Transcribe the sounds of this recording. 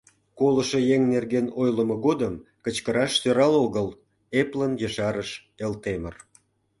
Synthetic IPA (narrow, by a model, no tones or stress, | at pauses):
koləʃejeŋnerɣenojləmoɣod̪əmkət͡ɕkəɾɑʃsøɾɑloɣəl | eplənjəʃɑɾəʃ | elt̪emər